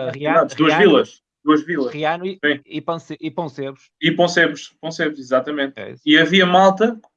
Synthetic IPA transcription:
ʁiad̪uɐʒvilˠɐʃ | d̪uɐʒvilˠɐʃʁiɐnuisĩipɐ̃seipõseβɾuʃʃipõseβɾuʃpõseβɾʃizat̪ɐmẽnt̪ɛ̰ḭsiɐviɐmalˠt̪ɐ

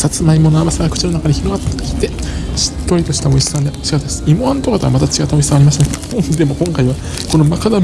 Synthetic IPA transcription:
sat͡sɨmaimo̞noabasaɡakɯ̟̥t͡ɕino̞nakaɲiçiɾo̞ɡat̪ːkʲi̥t̪eɕi̥t̪ːo̞ɾit̪o̞ɕi̥t̪ao̞isɨ̥sãnd̪eɕiɡat̪aesɨ̥imoãnt̪okat̪eβa̰mat̪at͡ɕiɡat̪ːao̞isãaɾʲimaɕit̪ad̪e̞mo̞kõ̞ŋkaiβa | ko̞no̞makad̪a

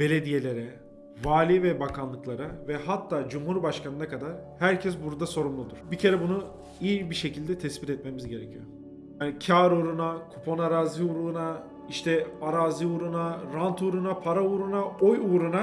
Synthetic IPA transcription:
b̥e̞lʲe̞d̪ije̞lʲe̞ɾɛ | vaːlʲivɛbakʰanlˠɯklˠaɾavɛɦat̪ʰːaːd͡ʒumhuɾbaʃkʰanɯnakʰad̪aɾhæɾcʰɛsbuɾd̪aso̞ɾumlˠud̪uɾ̥bicʰe̞ɾɛbunu | ijibiʃe̞cʰilʲd̪ɛt̪ʰɛsbit̪ɛt̪̚me̞mizɟe̞ɾecʰijo | jaːnicʰaːɾuɾunakʰupʰo̞naɾaːziuɾlˠuna | iʃt̪ʰɛaɾaːziuɾunaɾant̪ʰuɾunapʰaɾauːɾunaojuːɾuna

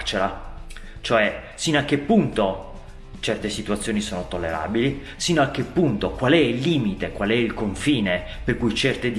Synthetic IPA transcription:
t͡ʃeɾa | t͡ʃoɛ | sinːoak̟ːepːunt̪o | t͡ʃɛrt̪esit̪uwat̪sːjoːnisoːnot̪olːeɾa̰ːbili | sinːoak̟ːepːunt̪okwalɛilːiːmit̪ekwalɛilkoɱfiːne | perkujt͡ʃɛrt̪ed̪

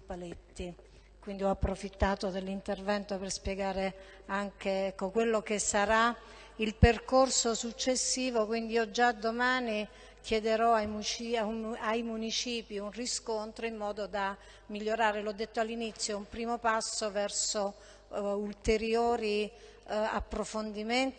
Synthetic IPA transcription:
palet̪ːi | kwind̪iɔapːɾofit̪ːaːt̪od̪elːint̪ervɛnt̪operspjeɡaːɾe | aŋkeɛkːokwelːokesaɾa | ilperkorsosut͡ʃːesːiːvokwind̪iɔd͡ʒad̪omaːni | kjed̪eɾɔajmut͡ʃiauajmunit͡ʃiːpiunriskont̪ɾoimːɔːd̪od̪a | miʎːoɾaːɾelɔd̪ːet̪ːoalːinit̪sːjoumpɾiːmopasːovɛrso | ult̪eɾjoːɾi | a̰pːɾofond̪iment̪

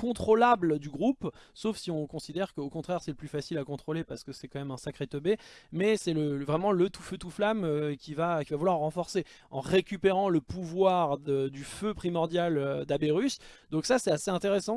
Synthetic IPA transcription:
kɔ̃t̪χolabld̪yɡʁupsofsiɔ̃kɔ̃sid̪ɛʁkəokɔ̃t̪χɛʁsɛləplyfasilakɔ̃t̪χolepaʁsə̥kəsɛkɑ̃mɛmɛ̃sakχet̪øbemɛsɛləvʁɛmɑ̃lət̪u̥føt̪uflamøkʲivakʲivavulwaʁːɑ̃fɔʁse | ɑ̃ʁekʲypeʁɑ̃ləpuvwaʁd̪əd̪yføpχimɔʁd̪jalød̪abeʁysd̪ɔ̃ksasɛaseɛ̃t̪eʁesɑ̃

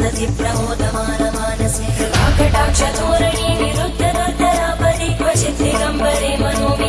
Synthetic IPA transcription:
ɐd̪ʱipɾɐbʱoːd̪ɐmaːnɐmaːnɐsaːkɐʈaːkʂɐd̪oːɾɐɳiːniɾud̪ʱːɐd̪ɐɾd̪ʱɐɾaːpɐɾiːkʋɐʃit̪ɾiɡɐmbʱɐɾeːmɐnoːʋi

